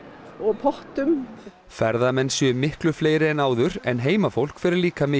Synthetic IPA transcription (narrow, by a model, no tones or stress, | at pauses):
ɔɣpʰɔht̪ʏm | fɛɾðamɛnːsœmːɪhklʏfleːjɾɪɛnaːwðʏɾɛnɦeːjmafowl̥kfɪɾɪɾliːkamɪ